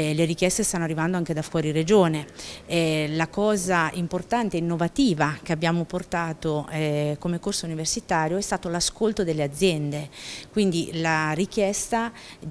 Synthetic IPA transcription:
leɾik̟jɛst̪est̪anːoarːivand̪oaŋked̪afwɔːɾiɾed͡ʒoːne | lakɔːzaimport̪ant̪eɛinːovat̪iːvak̟eabːjaːmoport̪aːt̪oɛkomekorsouniversit̪aːɾjoɛst̪aːt̪olaskolt̪od̪elːead̪zːjɛnd̪ekwind̪ilaɾik̟jɛst̪a

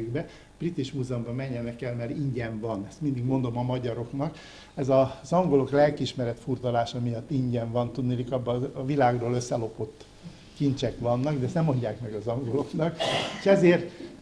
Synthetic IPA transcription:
ɡbɛ | b̥rit̪iʃmuːzɛumbɒmɛɲːɛnɛkɛlmɛɾiɲɟɛɱvɒnɛst̪mind̪iɡmo̞nd̪o̞mɒmɒɟɒɾo̞knɒk | ɛzɒzɒŋɡo̞lo̞klɛlkiiʃmɛɾɛt̪furt̪ɒlaːʃɒmijɒt̪ːiɲɟɛɱvɒnt̪ud̪nilikɒbːɒːvilaːɡroːløsːɛlo̞po̞t̪ː | kint͡ʃɛkʋɒnːɒɡd̪ɛst̪nɛmːo̞ɲɟaːkmɛɡɒzɒŋɡo̞lo̞knɒkeʃɛzeːrt̪

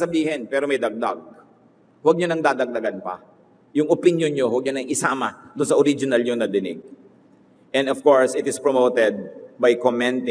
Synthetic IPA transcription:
sɐbiːhɪnpɛːɾomɐjd̪ɐɡ̚d̪a̰ɡ̚ | wɐɡ̚ɲonɐŋd̪aːd̪ɐɡ̚d̪ɐɡanpɐ̰ | jʊŋʊpɪnjonɲowɐɡ̚ɲonɐŋʔɪsaːmɐd̪ʊnsɐʔoɾid͡ʒɪnɐlɲjoŋnɐd̪ɪnɪ̰ɡ̚ | ʔɛnd̪ɔvkoɹsɪt̪ɪspɹomowt̪ɛd̪̚bɐjkomɛ̃nt̪ɪ

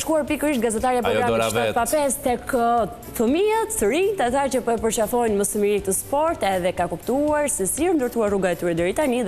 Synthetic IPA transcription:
ʃkuaɾpikəɾiʃt̪ɡazɛt̪aɾijapɾɔɡɾamiʃapapɛst̪ɛk | θəmiat̪θəɾit̪at̪acəpɔɛpəɾt͡ʃafɔjnməsəmiɾik̚t̪əspɔɾt̪ɛðɛkakupt̪uaɾsɛsiəʃnd̪əɾt̪uaɾruɡaɛt̪yɾɛd̪əɾit̪ani

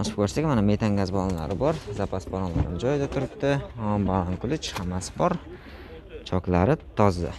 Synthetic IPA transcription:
naʃɪp̚kʰɵɾsaɡʲamaname̞t̪ʰaŋɡʲazbɒnla̰ɾɪbɒɾzapʰasbɒɾɒnla̰ɾnɪd͡ʒɒjɪd̪at̪ʰʊɾɪp̚t̪ɪbalˠaŋkʰʊlˠɪt͡ʃʰhamasɪ̥bɒɾ | t͡ʃʰɒklaɾɪt̪ʰɒzd̪ɪ̰

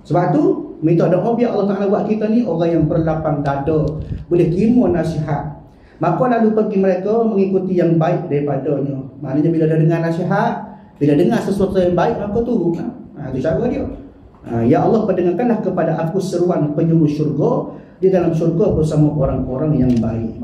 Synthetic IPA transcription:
səbap̚t̪u | mit̪ɔʔdɔʔobiaʔɑlːɑht̪aʔalawaʔkit̪ɔnioɾaŋjaŋbərlapandadɔbulɛhk̪imɔnasiɦat̪̚ | makɔlalupəɡiməɾekɔməŋikut̪ijaŋbaɪk̚daɾipadɔɲəma̰ʔnaɲabiladadəŋarnasiɦat̪̚ | biladəŋarsəsuat̪ujaŋbaɪʔ̚maakɔt̪uɡuaat̪ut͡ʃaɡɔdio | a̰jaʔɑlːɑhpədəŋarkanlahkəpadaʔakusəɾuanpəɲuɾuʃurɡɔ | didalamsurɡɔbərsamaʔoɾaŋoɾaŋjaŋbaɪ̰ʔ̚

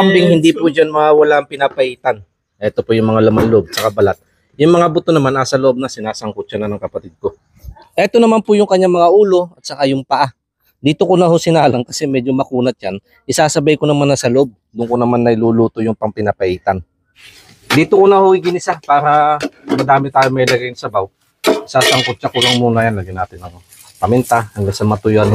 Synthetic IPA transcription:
ɐmbɪŋhɪnd̪ipʊd͡ʒanmɐŋawɐlaɐŋpɪnapɐʔiːt̪ɐn | ʔɛt̪o̞pojʊŋmɐŋalɐmanloʔo̞b̚sɐkabɐlat̪̚ | jʊŋmɐŋabʊt̪onɐmanʔasɐloʔob̚nɐsɪnaːsɐŋkʊt̪̚t͡ʃɐnɐnɐŋkɐpɐt̪id̪̚ko̞ | ʔɛt̪o̞nɐmanpʊjʊŋkɐɲːaŋmɐŋaʔuːlo̞ʔɐt̪̚sɐkajʊŋpɐʔa | d̪iːt̪o̞konɐɦo̞sɪnaːlɐŋkɐsɛmɛd͡ʒomɐkuːnɐt͡ʃan | ʔɪsaːsɐbajkonɐmanːɐsɐloʔo̞b̚d̪ʊŋkonɐmanːɐjluluːt̪o̞jʊŋpɐŋpɪnapɐʔiːt̪ɐn | d̪iːt̪okonɐho̞ɪɡɪnɪsapaːɾɐmɐd̪aːmɪt̪aːjoŋmɐjlɐɡajnsɐbaw | ɪsaːsɐŋkot̪̚t͡ʃakʊlɐŋmuːnɐjanlɐɡɪnaːt̪ɪnɐŋ | pɐmɪnt̪ahɐŋɡaŋsɐmɐt̪ʊjan

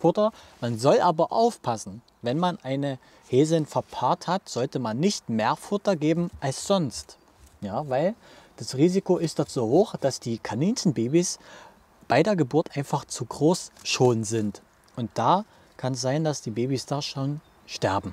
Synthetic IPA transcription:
fʊtɐmanzɔlʔaːbɐʔaʊfpʰasn̩ | vɛnmanʔaɪnə | heːzl̩nfɛɐpʰaːɐthatz̥ɔltəmanːɪçtmeːɐfʊtɐɡeːbm̩ʔalsz̥ɔnst | jaːvaɪl | d̥asʁiːzikoɪstd̥az̥oːhoːxd̥asd̥iːkʰaniːnsn̩beːbis | b̥aɪdeːɐɡəbʊɐtʔaɪnfaχt͡suɡʁoːsʃoːnzɪnt | ʔʊnt̚d̥aː | kʰanɛs̬z̥aɪndasd̥iːbeːbisd̥aːʃoːn | ʃtɛɐbm̩

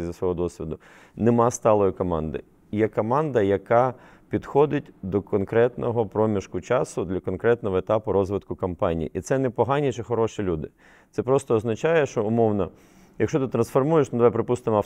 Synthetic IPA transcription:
zʲɐsʋɔɦɔd̪ɔsʲʋʲid̪ʊ | nemɑst̪ɑlˠɔjikɔmɑnd̪ɪ̰ | jɛkɔmɑnd̪ɐjɐkɑ | pʲid̪xɔd̪ɪt̚ʲd̪ɔkɔnkɾɛt̪nɔɦɔpɾɔmʲiʃkʊt͡ʃɑsʊd̪lʲɐkɔnkɾɛt̪nɔɦɔet̪ɑpʊɾɔzʋɪt̪kʊkɐmpɑnʲḭjḭʔit̪sɛnɛpɔɦɑnʲit͡ʃɛxɔɾɔʃilʲud̪ɪ | t̪sɛpɾɔst̪ɔːznɐt͡ʃɑjɛʃt͡ʃɔʊmɔwnɔ | jɐkʃt͡ʃɔt̪ɪt̪ɾɐnsfɔrmujeʃnɐd̪ʋajpɾɪpust̪ɪmɐ

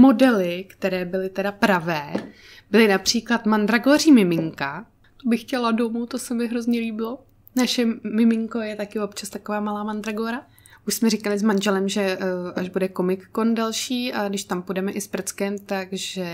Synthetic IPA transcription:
mo̞dɛlɪkt̪ɛɾɛːbɪlɪt̪ɛdapɾavɛː | bɪlɪnapr̝̥iːklat̪mand̪ɾaɡoriːmɪmɪŋka | t̪obɪxcɛladomut̪osɛmɪɦɾo̞zɲɛliːbɪlo̞ | naʃɛmɪmɪŋko̞jɛt̪akɪopt͡ʃast̪akovaːmalaːmand̪ɾaɡoːɾa | ʔuʃsmɛɾɪkalɪzmanʒɛlɛmʒɛʔaʒbudɛkomɪkːo̞ndalʃiːaɡdɪʃt̪ampudɛmɛʔɪspr̩t͡skɛmt̪aɡʒɛ

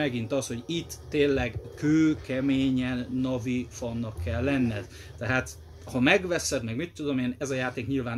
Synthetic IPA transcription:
ɛɡin̪t̪ɒsho̞ɟit̪ːeːnlɛɡkøːkɛmeːɲɛnːɒvifɒnːɒkʰːɛlːɛnːɛd̪ | t̪ɛɦaːt̪ | hɒmɛɡʋɛsɛd̪mɛɡmit̪ːud̪o̞meːnɛzɒjaːt̪eːkɲilvaːn

